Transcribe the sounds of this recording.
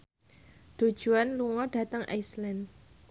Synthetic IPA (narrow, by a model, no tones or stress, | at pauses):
d̪̥o̤d̥ʒ̥uanluŋɔɖ̥a̤t̪əŋa̰islɛn